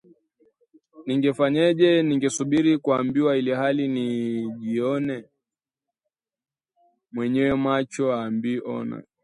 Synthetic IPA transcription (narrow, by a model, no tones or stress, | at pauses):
niŋɡɛfaɲɛʄɛniŋɡɛsuɓiɾikuambiwailihaliniʄiɔnɛ | mwɛɲɛwɛmat͡ʃɔaːmbiʔɔ̰na̰